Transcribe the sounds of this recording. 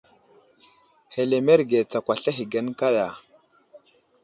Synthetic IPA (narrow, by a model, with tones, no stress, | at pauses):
he˨le˨me˦ɾɡe˨t͡sa˨kwʷa˨ɬa˦ɦi˨ɡa˦nka˦ɗa˨